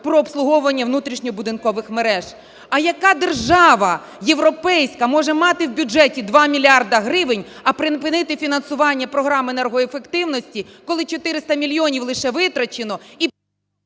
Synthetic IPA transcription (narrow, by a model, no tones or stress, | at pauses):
pɾɔːpslˠʊɦɔʊʋɐnʲːɐʋnut̪ɾʲiʃnʲɔɔbʊd̪ɪnkɔʋɪxmeɾɛʒ | ɐjɐkɑd̪erʒɑʋɐ | je̞ʋɾɔpɛjsʲkɐmɔʒɛmɑt̪ɪwbʲʊd͡ʒɛtʲid̪ʋɑmʲilʲɑrd̪ɐɦɾɪʋɪnʲɐpɾɪnpɪnɪt̪ɪfʲinɐnsʊʋɑnʲːɐpɾɔɦɾɑmenɛrɦɔefe̞kt̪ɪwnɔsʲtʲikɔlˠɪt͡ʃɔt̪ɪɾɪst̪ɐmʲilʲjɔnʲiwlˠɪʃɛʋɪt̪ɾɐt͡ʃenɔi